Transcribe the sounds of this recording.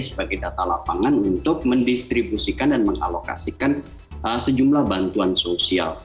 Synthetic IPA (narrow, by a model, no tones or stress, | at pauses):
səbaɡajdat̪alapaŋanunt̪ʊk̚məndist̪ɾibusikandanməŋa̰loka̰sikan | əsəd͡ʒumlahbant̪uansosia̰l